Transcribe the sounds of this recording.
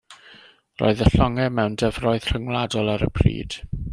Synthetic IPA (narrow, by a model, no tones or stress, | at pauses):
rɔ̰ːɨðəɬɔŋɛmɛwndɛvrɔɨð̥r̥əŋlˠadɔlˠaɾə̰pʰrḭːd̥